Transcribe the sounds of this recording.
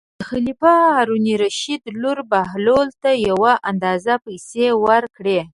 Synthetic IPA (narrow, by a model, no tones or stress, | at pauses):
d̪əxalifɑhaɾuniɾaʃid̪luɾbaɦlolt̪ajawaʔand̪ɑzapajsewəɾkɽe